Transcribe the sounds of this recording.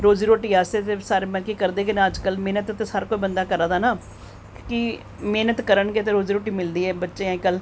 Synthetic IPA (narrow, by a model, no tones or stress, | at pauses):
ɾoːziːɾoːʈiːaːseːt̪eːsaːɾeːmɛ̃ːlkiːkəɾd̪eːkənẽːəd͡ʒkəlmeːnət̪t̪esaːɾkoːiːbənd̪aːkəɾaːd̪aːnaː | kɪ | meːnət̪kəɾəɳɡeːt̪̬eːɾoːziːɾoːʈiːmɪld̪iːɛːbətːʃeːãːɪkːəl